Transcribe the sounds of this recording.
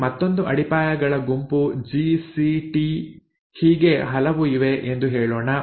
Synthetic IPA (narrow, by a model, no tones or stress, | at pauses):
mɐt̪ːo̞nd̪uʔɐɽipaːjɐɡɐɭɐɡumpud͡ʒisiʈi | hiːɡe̞ɦɐlɐʋuiʋe̞ʔend̪uɦeːɭoːnɐ